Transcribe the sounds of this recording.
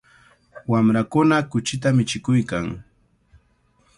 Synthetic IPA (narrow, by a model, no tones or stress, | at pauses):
wamɾakʊnakʊt͡ʃɪt̪amɪt͡ʃɪkʊjkaŋ